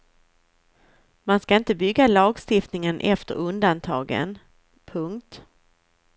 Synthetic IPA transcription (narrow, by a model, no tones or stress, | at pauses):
manskaɪnt̪əbʏɡːalɑːɡst̪ɪft̪nɪŋənʔɛ̰ft̪ə̰ɾɵnd̪ant̪ʰɑ̰ːɡə̰n | pʰɵŋkt̪